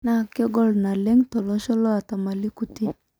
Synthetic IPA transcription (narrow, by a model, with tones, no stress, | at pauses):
na˨kɔ˦ɡɔ˦˨lna˨le˦ŋtɔ˨lɔ˦ʃɔ˦lɔ˦a˨ta˨ma˨li˦ku˨ti˦